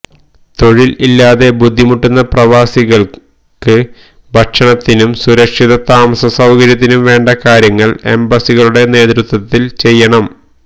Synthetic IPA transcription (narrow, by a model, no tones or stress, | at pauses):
t̪o̞ɻililːaːðe̞bud̪ʱːimuʈːunːɐprɐʋaːsiɣɐɭ | kɨ | bʱɐkʂɐɳɐt̪ːinumsuɾɐkʂiðɐt̪aːmɐsɐsɐwkɐɾjɐt̪̬ːinumʋe̞ːɳɖɐkaːɾjɐŋːɐɭe̞̰mbɐsiɣɐɭuɽe̞ne̞ːt̪ɾut̪wɐt̪ːilt͡ɕe̞jːɐɳɐm